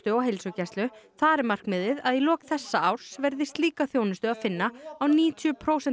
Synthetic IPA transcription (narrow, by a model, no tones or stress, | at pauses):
t̪ʏɔɣɦejlsʏcɛst̪lʏθaːɾɪmar̥kmɪːðɪðaðilɔːkθɛsːaawɾ̥svɛɾðɪst̪liːkaθjoːwnɪst̪ʏaðfɪnːaawniːt̪ʰjʏpʰɾoːwsɛ